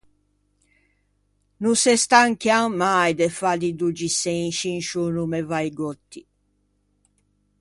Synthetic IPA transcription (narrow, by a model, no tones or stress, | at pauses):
nusɛst̪aŋkjamajd̪ɛfad̪id̪ud͡ʒiseĩʃinʃunumɛvajɡɔt̪ːi